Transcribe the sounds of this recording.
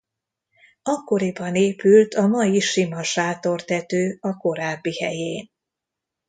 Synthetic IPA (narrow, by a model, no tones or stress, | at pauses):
ɒkːo̞ɾibɒneːpylt̪ʰɒmɒjiʃimɒʃaːt̪o̞rt̪ɛt̪øːɒko̞ɾaːbːihɛ̰jeːn